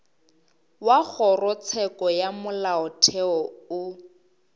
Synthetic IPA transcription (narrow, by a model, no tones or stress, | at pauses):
wak͡xʰɔrɔt͡sʰɛkɔjamʊlaʊtʰɛɔʊ